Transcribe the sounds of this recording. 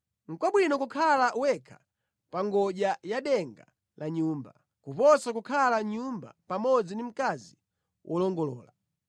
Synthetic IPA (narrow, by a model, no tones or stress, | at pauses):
ŋ̩kwaɓwinɔkukʰalaʔwɛkʰḁ | paŋɡɔʄajaɗɛŋɡa | lʔaɲuːmba | kupɔsakukʰalaɲumba̰pamɔd͡zindim̩kazi | wʔɔlɔŋɡɔlɔ̰ːla